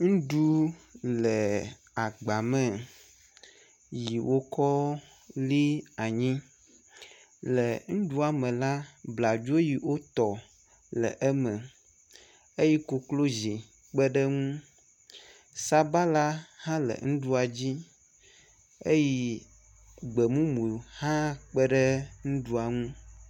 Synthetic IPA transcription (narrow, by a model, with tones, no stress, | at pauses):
ŋũ˦ɖu˦lɛ˨ | a˨ɡ͡ba˨mɛ̃˦˨ | ji˨wʔo˦kɔ˦ | li˦a˨ɲĩ˦ | lɛ˨ŋũ˦ɖu˦a˨mɛ̃˨la˦bla˨d͡ʒo˦ji˨wo˦t̪ɔ˨ | lɛ̰˨ʔɛ˦mɛ̃˨ | e˦ji˦ko˨klo˦zi˨ | k͡pə˦ɖə˦ŋũ˦ | sa˦ba˦la˦hã˦lə̰˨ŋũ˦ɖu˦a˨d͡ʑi˦ | e˦ji˦ | ɡ͡bə˨mũ˦mũ˨hã˦k͡pə˦ɖə˦ŋũ˦ɖu˦a˨ŋũ˦